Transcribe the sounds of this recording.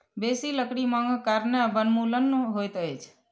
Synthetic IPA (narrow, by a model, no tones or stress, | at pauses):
besiləkɽiməŋɡʱkaɾnebənmulənɦojt̪əjt͡ʃʰ